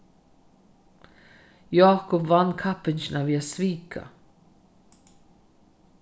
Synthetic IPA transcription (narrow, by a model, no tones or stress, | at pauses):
jɑːkɔpvankʰapɪnt͡ʃɪnaviːasviːkʰa̰